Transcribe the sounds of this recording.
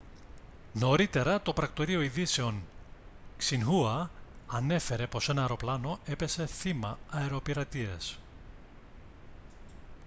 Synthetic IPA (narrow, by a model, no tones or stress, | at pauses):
no̞ɾit̪e̞ɾɐt̪o̞pɾɐkt̪o̞ɾio̞iðise̞o̞n | ksinɣuɐɐne̞fe̞ɾe̞po̞se̞nɐeɾo̞plɐno̞e̞pe̞se̞θimɐːeɾo̞piɾɐt̪ies